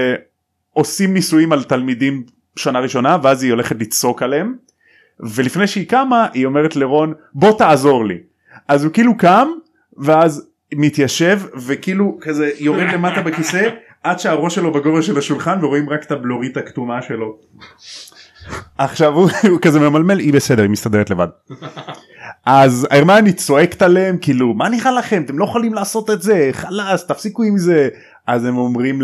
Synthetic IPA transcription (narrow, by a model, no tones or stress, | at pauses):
o̞simnisuimalt̪almidim | ʃanaʁiʃo̞naveazio̞leχet̪lit͡so̞kalem | ve̞lifnejʃeikamaʔio̞meʁet̪leʁo̞n | bo̞t̪aːzo̞ʁlḭ | ʔazukilukam | veaz | mit̪jaʃe̞vvekiːlukazejo̞ʁed̪le̞mat̪abekise | ʔad̪ʃeaʁo̞ʃelo̞beɡo̞veʁʃelaʃulχanveʁoimʁakt̪ablo̞ʁit̪akt̪umaʃelo̞ | aχʃavukazememalme̞libesed̪e̞ʁimist̪ad̪e̞et̪le̞va̰d̚ | ʔaza̰iʁmanit͡so̞e̞kt̪ale̞mkiːlumaniχalaχe̞mat̪e̞mlojeχalimlaːso̞t̪et̪ze̞χalast̪afsikuimze̞ | azemo̞mʁim